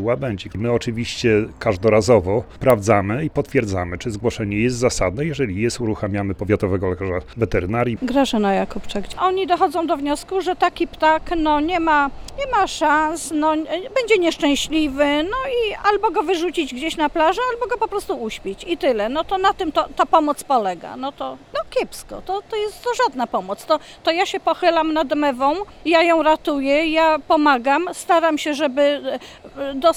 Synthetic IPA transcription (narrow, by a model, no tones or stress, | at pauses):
wabɛɲd͡ʑɛmɘɔt͡ʂɘvʲiɕt͡ɕɛkaʐd̪ɔɾazɔvɔpɾavd̪zamɘipɔt̪fʲjɛɾd̪zamɘt͡ʂɘzɡwɔʂɛɲɛjɛst̪zasad̪nɛjɛʐɛlʲijɛst̪uɾuxamʲjamɘpɔvʲjat̪ɔvɛɡɔlɛkaʐavɛt̪ɛɾɘnaɾʲjiɡɾaʐɛnajakupt͡ʂaɡʔɔɲid̪ɔxɔd̪zɔ̃w̃d̪ɔvɲɔskuʐɛt̪akʲipt̪aknɔɲɛmaɲɛmaʂansnɔbɛɲd͡ʑɛɲɛʂt͡ʂɛ̃w̃ɕlʲivɘnɔialbɔɡɔvɘʐut͡ɕid͡ʑɡd͡ʑeɕnaplaʐɛalbɔɡɔpɔpɾɔst̪uuɕpʲet͡ɕit̪ɘlɛnɔt̪ɔnat̪ɘmt̪ɔt̪apɔmɔt̪spɔlɛɡa̰nɔt̪ɔnɔkʲɛpskɔ̰t̪ɔt̪ɔjɛst̪zaʐad̪napɔmɔt̪st̪ɔ | t̪ɔjaɕɛpɔxɘlamnad̪mɛvɔ̃w̃ | jajɔ̃w̃ɾat̪ujɛjapɔmaɡamst̪aɾamɕɛʐɛbɘ | d̪ɔ